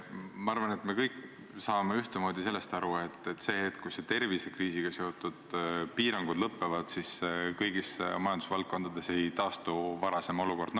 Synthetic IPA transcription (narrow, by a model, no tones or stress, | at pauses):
mɑɑrvɑne̞t̪me̞kɤjk | sɑːme̞yht̪emo̞ːd̪̥ʲise̞lːe̞st̪ɑɾue̞t̪ːˑet̪ːˑse̞ːhet̪ˑkujset̪e̞rvise̞kriːsiɡ̥ɑseot̪ud̪̥piːɾɑŋɡ̥ud̪lɤpːe̞vɑd̪̥siskɤjɡismɑjɑnd̪usvɑlt̪̚ko̞nd̪̥ɑd̪̥e̞se̞jt̪ɑːst̪uvɑɾɑse̞mo̞luko̞rd̪̥n